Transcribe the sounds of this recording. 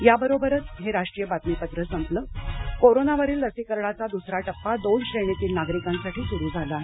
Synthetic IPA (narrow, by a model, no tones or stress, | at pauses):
jabəɾobəɾət͡sɦeɾaʂʈɾijəbat̪mipət̪ɾəsəmpləkoɾonaʋəɾiːlːəsiːkəɾɳat͡sad̪usɾaʈəpːad̪oɳɕɾeɳ̃it̪iːlnaɡɾikãnsaʈiːsuɾiːd͡zʱala